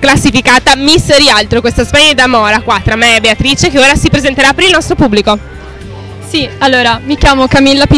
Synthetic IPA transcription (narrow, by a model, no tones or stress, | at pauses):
klasːifikaːt̪amisːɾialt̪ɾokwest̪aspɛɲːed̪amɔːɾakwat̪ːɾamːeɛbːeat̪ɾit͡ʃekeoːɾasipɾezent̪eɾapːeɾilnɔst̪ɾopubːliko | sialːoːɾamikjaːmokamilːapi